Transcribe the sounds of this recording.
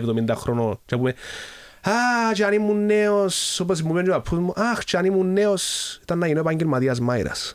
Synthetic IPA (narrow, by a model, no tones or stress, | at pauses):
bd̪omind̪axɾonot͡ʃabume | at͡ʃanimuneosːobas̬muβend͡ʒoapʰumoʔaxt͡ʃanimunːeoset̪anːajinepaŋɡilmaðias̬majɾa̰s